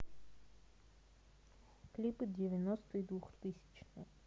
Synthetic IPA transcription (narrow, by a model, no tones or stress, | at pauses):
klʲipɨdʲɪvʲɪnost̪ɨid̪vuxt̪ɨsʲɪ̥t͡ɕnɨjə